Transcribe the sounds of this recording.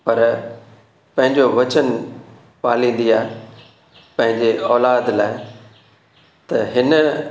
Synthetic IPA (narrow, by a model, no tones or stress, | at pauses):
pɐɾ | pɐ̃ɦɪ̃ɲd͡ʑoʋɐt͡ɕən | paːlĩːn̆d̪iaːɦe | pɐ̃ɦɪ̃ɲd͡ʑeɔːlaːd̪laːɪ | t̪ɐɦɪn